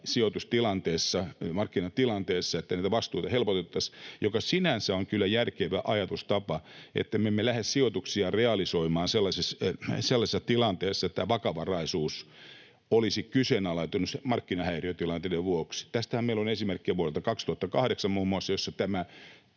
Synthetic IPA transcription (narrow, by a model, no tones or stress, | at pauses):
siot̪ust̪ilɑnt̪eːsːɑmɑrkːinɑt̪ilɑnt̪eːsːɑet̪ːænæit̪æʋɑst̪uit̪ɑhelpot̪et̪ːɑsjokɑsinænsæoŋkylːæjærkeʋæʔɑjɑt̪ust̪ɑpɑḛt̪ːæmemːelæhessiot̪uksiɑreɑlisoimɑːnselːɑsesselːɑsesːɑ̥t̪ilɑnt̪eːsːɑet̪t̪ːæːʋɑkɑʋɑrɑisuːs | olisikysenɑlɑit̪unːusemɑrkːinɑhæiriøt̪ilɑnt̪edeʋʋuoksi̥t̪æst̪æhæmeilonesimerkːieʋuoɾelt̪ɑkɑkst̪uhɑt̪ːɑkɑhɾeksɑmmuːmːuɑsːɑjosːɑt̪æmæ